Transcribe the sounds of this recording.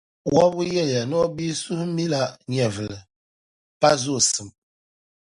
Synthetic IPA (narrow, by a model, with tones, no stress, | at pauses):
wɔ˦bu˦jɛ˦˨ja˨nɔ˦bi˦su˦hmi˦la˦ɲɛ˨vɨ˨lɨ˨ | pa˦zo˦˨sɨ˨m